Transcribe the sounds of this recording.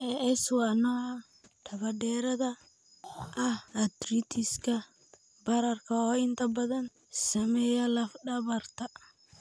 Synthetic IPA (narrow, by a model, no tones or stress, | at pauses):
ɛʔɛswanɔ | t̪ʰɐβɐdɛːɾɐðɐ | ʔɐhːd̪ɾit̪ʰɪskʰɐ | bɐɾɐrkʰɐɔːɪnt̪ʰɐbɐðɐn | sɐmɛjɐlɐfɖɐβɐrt̪ʰɐ